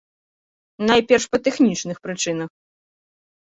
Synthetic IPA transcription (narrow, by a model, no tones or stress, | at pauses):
najpʲɛrʂpɐt̪ɛxnʲit͡ʂnɨxpɾɨt͡ʂɨnɐx